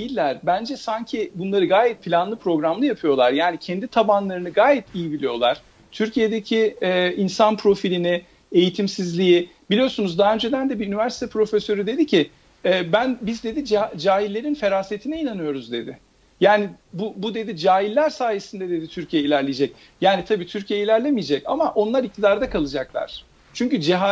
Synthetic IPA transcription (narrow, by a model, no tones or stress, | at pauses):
jilʲːæɾ̥bænd͡ʒɛsaɲcʰibunlˠaɾɯɡaːjɛt̪̚pʰilʲanlˠɯpʰɾo̞ɡɾamlˠɯjapʰɯjo̞lˠaɾjaːnicʰɛnd̪it̪ʰabanlˠaɾɯnɯɡaːjɛt̪ʰijibilʲijo̞̰lˠaɾ̥ | t̪ʰyɾcʰije̞d̪e̞cʰiɛːinsanpʰɾo̞filʲinɪ | e̞jit̪ʰimsizlʲijib̥ilʲijoɾsunuzd̪aɦaø̞nd͡ʒe̞d̪ænd̪ɛbiynivæɾsi̥t̪ʰɛpʰɾo̞fesøɾyd̪e̞d̪icʰɪ | ɛːbænbizd̪e̞d̪id͡ʒd͡ʒaːɦilːʲe̞ɾinfe̞ɾaːset̪ʰinɛinanɯjo̞ɾuzd̪e̞d̪ɪ | jaːnibubud̪e̞d̪id͡ʒaːɦilːʲæɾsaːjesind̪ɛd̪e̞d̪it̪ʰyɾcʰijɛilʲæɾlʲejd͡ʒɛc | jaːnit̪ʰabiːt̪ʰyɾcʰijɛilʲæɾlʲe̞mijed͡ʒɛca̰maʔo̞nlˠaɾic̚t̪ʰid̪aɾd̪akʰalˠɯd͡ʒaklˠa̰ɾ̥ | t͡ʃʰyɲcyd͡ʒiɦa